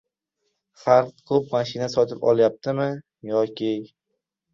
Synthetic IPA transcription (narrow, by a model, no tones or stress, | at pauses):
χaɾq̪̚kʰɵp̚maʃɪnasɒt̪ʰɪpɒ̰lˠjap̚t̪ʰɪmɪ | jɒkʲɪ